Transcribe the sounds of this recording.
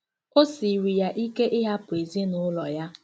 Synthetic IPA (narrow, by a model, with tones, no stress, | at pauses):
ʊ˦si˨ɾi˨ja˦ʔi˦ke˦ʔɪ˦ɦa˦pʊ˨e˨zi˦nʊ˦lɔ˨ja˦